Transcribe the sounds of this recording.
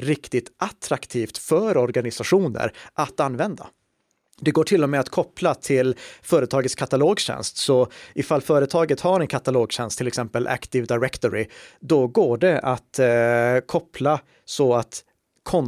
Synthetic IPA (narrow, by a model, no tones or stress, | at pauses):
ɾɪkt̪ɪt̪ʔat̪ʰɾakt̪ʰiːft̪fœɾɔɾɡanɪsaɧuːnə̰ɾʔat̪anːvɛnd̪a̰ | d̪ɛɡoːʈʰɪlːɔmɛat̪kʰɔplat̪ʰɪlfœːɾət̪ʰɑːɡət̪skʰat̪aloːɡɕɛ̰nst̪sɔʔɪfalːfœːɾət̪ʰɑːɡət̪haɾɛnkʰat̪aloːɡɕɛnst̪ʰɪlɛksɛmpəlʔæ̰kt̪ɪvd̪aɪɾɛkt̪ɔɾɪd̪ɔɡoːɖɛʔat̪ | kʰɔpʰla | sɔat̪ | kʰɔn